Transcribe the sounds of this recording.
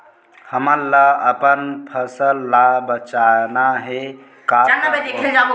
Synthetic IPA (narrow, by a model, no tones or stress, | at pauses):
həməɾlaəpənpʰəsəlːabət͡ʃanaɦe | kaand̪ekʰed͡ʒam